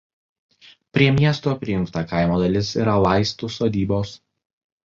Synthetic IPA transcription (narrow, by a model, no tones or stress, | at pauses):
pʲɾʲiɛmʲiɛst̪uɐpʲɾʲɪjʊŋˑkt̪ɐkɐɪmoːd̪ɐlʲɪsḭːɾɐlˠɑɪst̪uˑsoːd̪ʲiːboːs